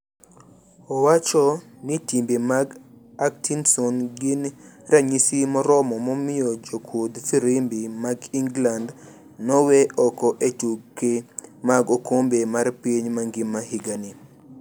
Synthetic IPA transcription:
ɔwat͡ʃɔ | nitimbemaɡaktinsɔnɡɪnɾaɲisimɔɾɔmɔmɔmɪɔd͡ʒokʰod̪fiɾimbimaɡiŋɡland | nɔwɛʔɔkɔʔetukːemaɡokombemaɾpiɲmaŋɡɪmːahiɡani

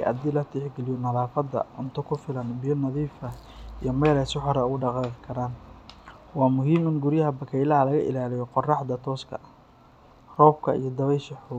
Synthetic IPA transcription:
ʔɐ̰d̪ɪlɐt̪ʰɛħɡɛlɪjɔnɐðaːfɐd̪ɐ̰ʊ̰nt̪ʰɔkʰʊfɪlɐnbɪjɔnɐðiːfɐ | ijɞmɛjlɛsɪħɔɾɐɣʊɖɑqɑːqɪkʰɐɾaːn | wɑːmʊɦiːmɪnɡʊɾjɐɦɐbɐkʰɛjlɐɦɐlɐɣɐʔɪ̰laːlɪjɔqɔrɑħd̪ɐt̪ʰɔːskʰɐ̰ | rɔːb̚kʰɐ̰ḭjɞd̪ɐβɛjʃɐħɔː

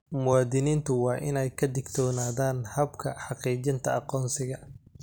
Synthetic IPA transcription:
mʊwɑːðɪniːnt̪ʰʊwɑːʔɪnɛjkʰɐd̪ɪɡt̪ʰɔːnaːðaːnhɐbkʰɐħɑqiːt͡ʃɪnt̪ʰɐɑqɔːnsɪɣɐ

